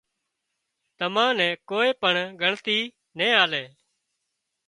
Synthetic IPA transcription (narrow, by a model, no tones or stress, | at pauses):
t̪əmãːnɛ̃ːkoːeːpəɳɡʱəɳt̪iː | nẽːaːlɛː